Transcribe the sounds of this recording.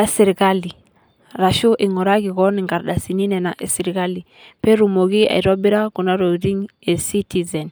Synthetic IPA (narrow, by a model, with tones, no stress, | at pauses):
a˦si˨ɾi˨ka˦li˨ | ɾa˨ʃu˦ʔi˨ŋɔ˨ɾa˦ɣi˨ɣɔ˦ni˨ŋɡa˨ɾɗa˨si˨ni˦nɛ˨na˨ʔe˨si˨ɾi˨ka˦li˨ | pɛ˦ɾu˨mo˨ɣi˦a̰˨i˨ɾɔ˦bi˦ɾa˦ku˨na˦ɾo˨ɾi˦ŋe˨si˦ti˨zɛ˨n